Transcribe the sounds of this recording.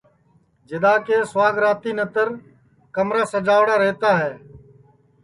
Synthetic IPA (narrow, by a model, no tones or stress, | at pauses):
d͡ʒɪd̪aːkeːsʋaːɡɾaːt̪iːnət̪əɾ | kəmɾaːsəd͡ʒaːʋɽaːɾɛːt̪aːɦɛː